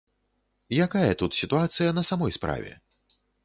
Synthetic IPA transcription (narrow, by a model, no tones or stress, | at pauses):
jakajɐt̪ut̪sʲit̪uat̪sɨjɐnɐsamɔjspɾa̰vʲɛ̰